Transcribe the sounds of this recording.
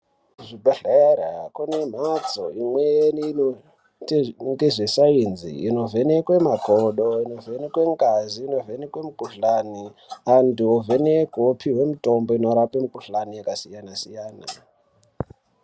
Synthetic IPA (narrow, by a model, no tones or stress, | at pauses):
ʐibaɬaɾa̰kunem̤at͡soimwejen | ŋɡeʐesainzḭːno̞vʱenekwemaɡʱoɗoino̞venekweŋɡaziːno̞venekwemukʼuɬanianduovenekopʰiɦwe̞mutʼo̞mbo̞ino̞ɾapemukuɬanijakasijanasijaːna̰